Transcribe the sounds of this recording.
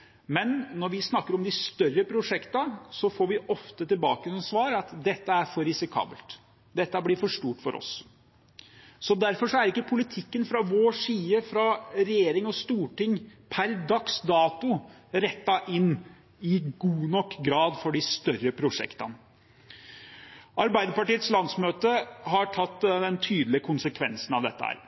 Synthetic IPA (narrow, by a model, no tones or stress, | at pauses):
mɛnːɔɾʋɪsnɑkːəɾɔmd̪ɪst̪œrːəpʰɾʊʂɛkt̪ɑsɔfoːɾʋɪʔɔft̪ət̪ɪlbɑːkəsɔmsʋɑːɾɑt̪d̪ɛt̪ːəæɾfɔɾɪsɪkʰɑ̰ːbəlt̪ | d̪ɛt̪ːəæbliːfɔʂʈuːʈfɔɾɔ̰s | sɔd̪æɾfɔʂɔæɾɪkːəpʰʊlɪt̪ʰɪkːənfɾɑʋoːʂiːəfɾɑɾɛjeːɾɪŋɔst̪uːʈɪŋpʰæɾd̪ɑksd̪ɑːt̪ʊ | ɾɛt̪ːɑʔɪnː | ɪɡuːnɔkːɡɾɑːd̪fɔɖɪst̪œrəpʰɾʊʂɛ̰kt̪ɑn | ɑɾbæɪd̪əpɑʈiːət̪slɑnd̪smøːt̪əɦɑʈʰɑt̪ːd̪ɛnt̪ʰyːd̪l̩ɪəkʰʊnsəkʰʋɛnsənɑʋd̪ɛ̰t̪ːə̰hæ̰ːɾ